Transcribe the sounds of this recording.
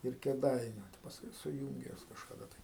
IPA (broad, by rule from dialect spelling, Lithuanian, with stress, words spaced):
ɪr kʲeːˈdɐɪnʲʊ pɐsˈkʊɪ sʊˈjuːŋʲɡʲɛ juɔs kɐʃkɐˈdɐ tɐɪ